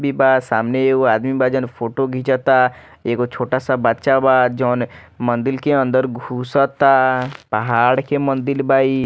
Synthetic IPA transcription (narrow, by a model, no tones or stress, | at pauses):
bʱibaːt̪saːmneːkoaːd̪mibaːd͡ʒənpʰoːʈoɡʱit͡ʃat̪a | eːkot͡ʃʰoːʈasabət̪ːʃabaːt̪̚d͡ʒɔːn | mə̃nd̪ɪlkeə̃nd̪əɾɡʱuːsət̪apəɦaːɽkemə̃nd̪ɪlbaːi